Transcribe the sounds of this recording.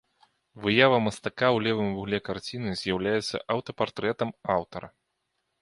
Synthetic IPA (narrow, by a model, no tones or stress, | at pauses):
vɨjavɐmɐst̪akawlʲɛvɨmvuɣlʲɛkart͡sʲinɨzʲjawlʲajɛt̪sːɐ̰ʔɐwt̪ɐpart̪ɾɛt̪ɐmawt̪ɐɾɐ